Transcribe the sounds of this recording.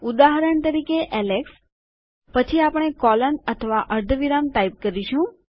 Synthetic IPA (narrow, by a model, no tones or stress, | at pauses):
ud̪aɦɾəɳt̪əɾikeʔɛleks | pət͡ʃʰiapəɽ̃ekɔlənət̪ʰəʋaʔəɾd̪ʱəʋiɾamt̪aip̚kəɾiʃũ